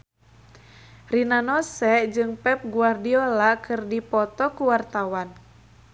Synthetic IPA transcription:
rinanɔsɛʔd͡ʒɨŋpɛp̚ɡuardiɔlakʰɨrdipɔt̪ɔkuwart̪awan

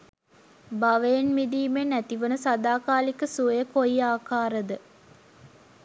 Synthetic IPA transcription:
baʋəjenmid̪iːmenæt̪iʋənəsad̪aːkaːlikəsuəjəkoiaːkaːɾəd̪ə

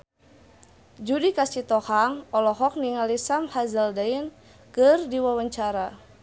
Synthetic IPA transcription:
d͡ʒudikasit̪ɔhaŋɔlɔɦɔk̚niŋalisamhazaldain | kɨrdiwawaɲt͡ʃaɾa

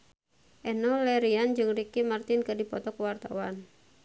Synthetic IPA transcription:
ʔɛnɔlɛɾiand͡ʒɨŋrikimart̪ɪnkɨrdipɔt̪ɔkuwart̪a̰wan

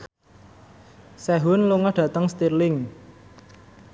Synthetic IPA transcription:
sɛɦʊnluŋɔhɖ̥ä̤t̪əŋst̪irlɪŋ

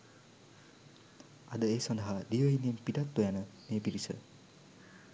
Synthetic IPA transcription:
a̰d̪əeːsɔnd̪aɦad̪ijəinempidat̪ːojanəmeːpiɾisə̰

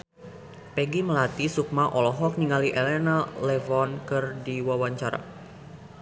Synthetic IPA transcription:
pɛɡiməlat̪isuk̚maʔɔlɔɦɔk̚niŋaliʔɛlɛnalɛvɔnkɨrdiwawaɲt͡ʃaɾa̰

